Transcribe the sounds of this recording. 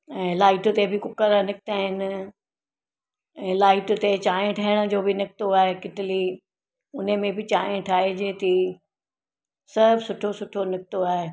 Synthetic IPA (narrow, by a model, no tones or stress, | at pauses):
ɛ̃ːlaːɪʈt̪ebɪkʊkəɾnɪkɪt̪aːɦɪnɪ | ɛ̃ːlaːɪʈt̪et͡ɕaːẽʈʰəɦɪɽ̃ə̆d͡ʑoːbɪnɪkɪt̪oaːɦekɪʈɪli | ʊn̤əmẽbɪt͡ɕaːɦẽʈʰaːɦed͡ʑẽːt̪i | sɐɾbsʊʈʰosʊʈʰonɪk̚ɪt̪oaːɦe